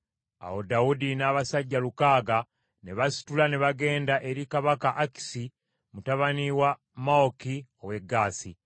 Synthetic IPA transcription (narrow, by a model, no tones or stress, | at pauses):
a̰wodaudinaːβasaɟːalukaːɡa | neβasi̥tulane̞βaɡe̞ːndaʔe̞ɾikaβakaʔaki̥si | mutaβaniwa | maokio̞we̞ɡːaːsi